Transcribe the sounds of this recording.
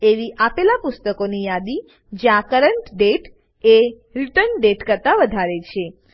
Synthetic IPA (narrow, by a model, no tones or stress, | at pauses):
eʋiʔapelapʊst̪əkonijad̪i | d͡ʒãkəɾəɳʈɖeʈ | e | ɾiʈəɾnɖeʈkəɾt̪aʋəd̪ʱaɾet͡ʃʰe